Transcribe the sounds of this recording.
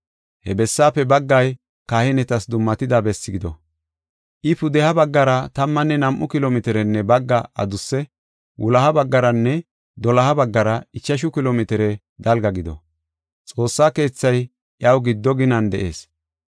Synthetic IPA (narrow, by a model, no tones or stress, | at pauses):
hɛbɛsːaːpːɛbɐɡːɐj | kaːhɪnɛt̪ɐsd̪ʊmːɐt̪ɪd̪ɐbɛsːɪɡɪd̪ɔ̰ | ʔɪpʊd̪ɛhɐbɐɡːɐɾɐt̪ɐmːɐnːɛnɐmʔʊkɪloːmɛt̪ɛɾɛnːɛbɐɡːɐɐ̰d̪ʊsːɛ | wʔʊlɐhɐbɐɡːɐɾɐnːɛ | d̪ɔlɐhɐbɐɡːɐɾɐɪt͡ʃːɐʃ̬ʊkɪloːmɪt̪ɛɾɛ | d̪ɐlɡɐɡɪd̪ɔ̰ | t͡sʼo̞ːsːaːke̞ːt͡sːɐj | ʔjɐwɡɪd̪ːɔɡɪnɐnd̪ɛʔe̞̰ːs